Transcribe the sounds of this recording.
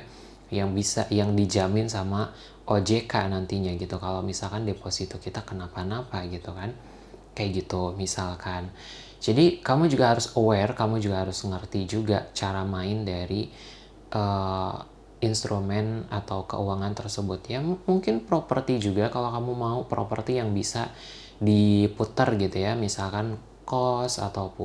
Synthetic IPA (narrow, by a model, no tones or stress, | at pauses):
jaŋbisa̰ʔjaŋdid͡ʒamɪnsama | ʔod͡ʒekanant̪iɲaɡit̪ukalawmisalkandeposit̪okit̪akənapanapaɡit̪ukan | kajaʔɡit̪umisalkʰan | d͡ʒadikamud͡ʒuɡaɦaɾʊsowɛrkamud͡ʒuɡaɦaɾʊsŋərt̪id͡ʒuɡat͡ʃaɾamaɪndaɾi | ʔə | inst̪ɾumɛna̰t̪awkə̰uwaŋant̪ərsəbʊt̪jammuŋkɪnpɾopərt̪id͡ʒuɡakalakamumaupɾopərt̪ijaŋbisa | diput̪ərɡit̪ujamisalkan | kɔsa̰t̪awpʊ